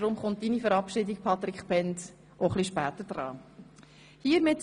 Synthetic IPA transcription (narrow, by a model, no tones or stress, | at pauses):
ɾʊmχʊnt̚inifəɾɑpʃɪdɪk̚pʰɑt̪ɾɪkχpɛnd | ʔoχliʃpæːt̪əɾd̥ɾɑ̰ː | hiːɾmɪt